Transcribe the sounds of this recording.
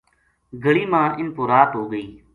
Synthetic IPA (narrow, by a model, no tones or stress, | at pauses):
ɡʱəɭiːmãːʔɪnpoːɾaːt̪ɦoːɡəiː